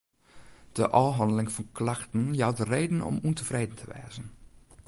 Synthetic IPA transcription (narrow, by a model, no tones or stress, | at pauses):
d̥əʔɔɦɑndəlɪŋfɔnkʰlaxtən̩jawdəreːdən̩ɔ̰muntʰəvreːdən̩tʰəʋɛ̰ːzən